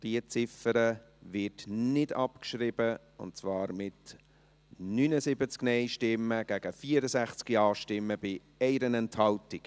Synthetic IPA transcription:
d̥iət͡sɪfəɾə | vɪtnɪdɑpkʃɾɪb̥ə | ʊ̰ntt͡svɑːɾmɪt | nyːnəzɪbət͡sknɛɪʃtɪmːəɡ̥æɡ̥əfiːəɾəsæχt͡skiɑːʃtɪmːəb̥ɪ | ɛɪɾənɛnthɑltɪk

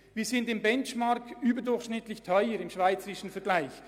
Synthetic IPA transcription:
v̥iːzɪndɪmbɛnt͡ʃmaɾkyːbədʊɹxʃnɪtlɪçtʰœʏəɾɪmʃv̥aɪt͡səɾɪʃn̩fɛɐɡ̥laɪç

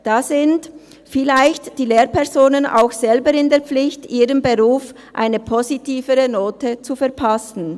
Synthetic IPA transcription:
d̥aːzɪnt | fɪlaɪçtd̥iːleːʁpɛʁzoːnəna̰ʊxz̥ɛlbəɾɪndeːɐp͡flɪçtʔiːʁənbəʁuːf | ʔa̰ɪnəpʰozitiːvəʁənoːtət͡sufɛɐpʰasn̩

